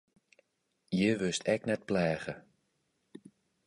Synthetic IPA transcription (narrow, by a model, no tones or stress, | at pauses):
jəʋɪstʰɛknɛt̚plɛːɣə